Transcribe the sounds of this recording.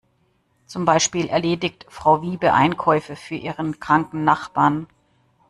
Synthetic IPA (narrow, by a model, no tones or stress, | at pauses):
t͡sʊmbaɪʃpiːlɛ̰ɐleːdɪçtfʁ̥aʊviːbəʔa̰ɪnkʰɔʏfəfyːɐʔiːʁənkʁ̥aŋkn̩ːaχb̥aːɐn